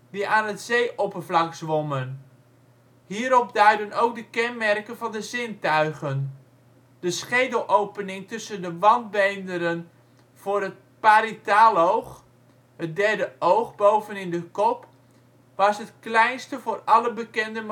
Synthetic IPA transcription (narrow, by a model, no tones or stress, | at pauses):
diʔaːnɦətzejʔɔpəvlɑksʋɔmən | ɦiːɾɔp̚dœɥdənowk̚dəkɛnmɛrkənvɑndəzɪntœɥχən | d̥əsχejdəl̩ˠʔowpənɪŋtɵsəndəʋɑnd̚bejndəɾən | v̥ʊːrət̚paɾitaːlowχ | ɦət̚dɛɹdəʔowχbowvənɪndəkɔp | ʋɑsɦətklɛjnstəvʊːrɑləbəkɛndəm